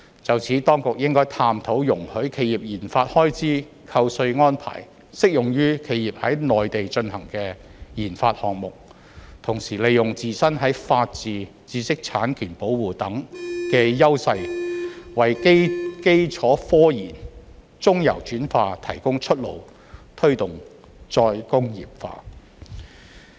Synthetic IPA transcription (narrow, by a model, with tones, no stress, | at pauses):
t͡sɐ˨wt͡sʰiː˨˥t̪ɔː˥ŋkʊ˨k̚jɪ˥ŋkɔː˥jt̪ʰaː˧mt̪ʰo˨˥wjʊ˨˩ŋhɵ˨˥kʰe˧jiː˨p̚jiː˨˩nfaː˧t̚hɔː˥jt͡siː˥ | kʰɐ˧wsɵ˧ɥŋɔː˥npʰa̰ː˨˩j | sɪ˥k̚jʊ˨˩ŋjyː˥kʰe˨˧˥jiː˨p̚hɐ˨˥jnɔː˨jt̪e˨jt͡ʃɵ˧nhɐ˨˩ŋkɛː˧jiː˨˩nfa̰ː˧t̚hɔː˨k̚mʊ˨k̚ | t̪ʰʊ˨˩ŋsiː˨˩le˨jʊ˨˩ŋt͡siː˨sɐ˥nɦɐ˨˥jfaː˧t̚t͡siː˨ | t͡siː˧sɪ˥k̚t͡sʰaː˨˥nkʰyː˨˩npo˨˥wwuː˨˩t̪ɐ˨˥ŋkɛː˧jɐ˥wsɐ˧j | wɐ˨˩jkke˥jt͡ʃʰɔː˨˥fɔː˥jiː˨˩n | t͡sʊ˥ŋjɐ̰˨˩wt͡ʃyː˨˥nfaː˧t̪ʰɐ̰˨˩jkʊ˥ŋt͡ʃʰɵ˥t̚lo̰˨˩w | t̪ʰɵ˥ɥt̪ʊ˨ŋ | t͡ʃɔː˧jkʊ˥ŋjḭː˨p̚fa̰ː˧